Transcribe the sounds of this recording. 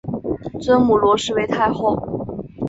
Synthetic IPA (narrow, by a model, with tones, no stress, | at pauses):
t͡swə˥nmu˨˩lwɔ˧˥ʂɻ̩˥˧we˧˥ɪt̪ʰa˥˧ɪxo˥˩ʊ